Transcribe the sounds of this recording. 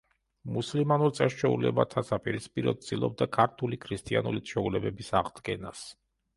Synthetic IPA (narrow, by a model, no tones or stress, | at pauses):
muslimanuɾt̪sʼɛst͡ʃʰɛṵlɛ̰bat̪ʰasapʼiɾispʼiɾɔd̪̚sʼilˠɔb̚d̪akʰaɾt̪ʰulikʰɾist̪ʼianulit̪ʃʰɔulɛbɛbisaʁd̪ɡɛnas